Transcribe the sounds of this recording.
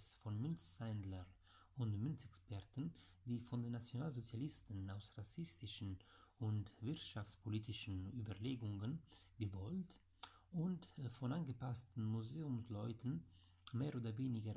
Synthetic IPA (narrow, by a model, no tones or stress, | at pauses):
sfɔnmʏnt͡ssɛndləʁ | ʊntmʏnt͡sɛkspɛʁtn̩ | d̥iːfɔndenːat͡sjonaːlzot͡sjalɪstn̩aʊsʁasɪstɪʃn̩ | ʊntvɪʁtʃaft͡spoliːtɪʃn̩yːbəʁleːɡʊŋən | ɡəvɔlt | ʊntfɔnanɡəpastn̩muzeːʊmslɔʏtn̩ | meːʁoːdɐveːnɪɡə